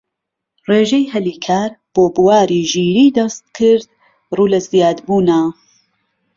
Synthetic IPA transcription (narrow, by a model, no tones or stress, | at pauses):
reːʒejhɐliːkʰaːɾb̥oːbɨwaːɾiːʒiːɾiːd̪ɐst̪̚kʰɨɾd̪̚ | ruːlɐzijaːd̪buːnɐ